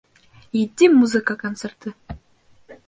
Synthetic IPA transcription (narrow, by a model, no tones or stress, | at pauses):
id̪ʲimuzɨkakont̪sert̪ɨ